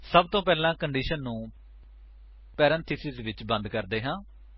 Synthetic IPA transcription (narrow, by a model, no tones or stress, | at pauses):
səb̚t̪õːpɛːlãːkəɳɖiːʃənːũː | pɛːɾə̃nt̪ʰɪsɪzʋɪt͡ʃbə̃nd̪kəɾd̪eːɦãː